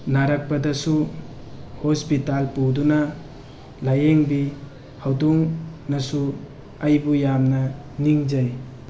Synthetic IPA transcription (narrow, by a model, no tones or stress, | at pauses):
naɾɐk̚pɐdɐsu | hospitalpudunɐ | lajeŋbi | hawduŋnɐsu | ajbujamnɐ | niŋd͡ʒaj